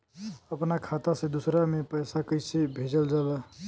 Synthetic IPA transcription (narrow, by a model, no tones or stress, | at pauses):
əpnakʰat̪asẽd̪usɾamepəjsakəɪsebʱed͡ʒəld͡ʒala